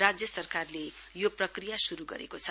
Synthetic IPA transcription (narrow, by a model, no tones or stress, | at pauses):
rad͡zjʌsʌrkarlejoprʌkrijasuɾuɡʌ̰ɾḛkot͡sʰʌ